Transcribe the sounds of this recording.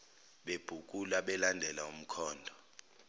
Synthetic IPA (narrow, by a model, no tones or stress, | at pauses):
ɓeb̥ʱuk̬ʼulaɓɛlandʱɛlaum̩kʰɔːndʱɔ